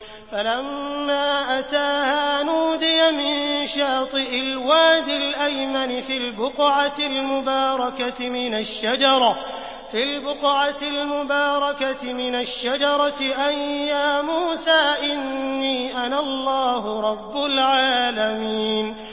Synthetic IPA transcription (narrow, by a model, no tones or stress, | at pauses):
falamːaːʔat̪aːhaːnuːd̪ɪjamɪnʃɑːt̪ˤɨʔɪlwaːd̪ɪlʔajmanɪfilbʊqʕatɪlmʊbɑːɾˤɑkat̪ɪmɪnaʃːad͡ʒɑɾˤɑ | fiːlbʊqʕat̪ɪlmʊbɑːɾˤɑkat̪ɪmɪnaʃːad͡ʒɑɾˤɑt̪ɪʔajjaːmuːsaːʔɪnːiːʔanalˤːɑːɦʊɾˤɑbːʊlʕaːlamiːn